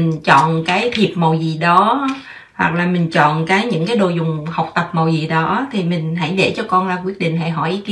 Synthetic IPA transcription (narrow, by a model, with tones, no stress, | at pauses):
ŋ̟t͡ɕɔ̰˧˨nkaː˨˦jt̪ʰi˨˩əp̚mo˨˩wzi˨˩ɗɔ˨˦ | hwa̰˨˩k̚laː˨˩mï˨˩ŋ̟t͡ɕɔ̰˧˨nkaː˨˦jɲɨ̰˧˥ŋkaː˨˦jɗo˧˨˩jzʊ˨˩ŋ͡mha˨˩wk͡p̚t̪ə˨˩p̚mo˨˩wzi˨˩ɗɔ˨˦t̪ʰi˨˩mï˨˩ŋ̟ɦə̰˧˩jɗḛ˧˩t͡ɕɔ˧kɔ˧nzaː˧kwi˦˥ət̚ɗḭ˧˨ŋ̟ɦa̰˧˩jɦɔ˧˩jki˧˦